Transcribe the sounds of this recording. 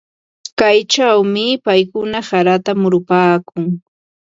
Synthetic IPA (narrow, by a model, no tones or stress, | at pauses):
kajt͡ʃawmɪpajkʊnasaɾat̪amʊɾʊpaːkʊŋ